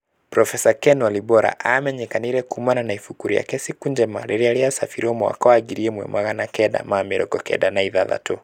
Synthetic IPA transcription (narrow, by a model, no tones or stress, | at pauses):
pɾɔfɛsakɛnwalibɔɾa̰ʔamɛɲɛkaniɾɛkumananaifukuɾia̰kɛsikund͡ʒɛma̰ɾɛɾialiasafiɾiɔmɔa̰kawaɡiɾiɛmwɛ̰maɣanakɛɗa̰mamɛɾɔɡɔkɛ̰ɗanaiðaða̰tɔ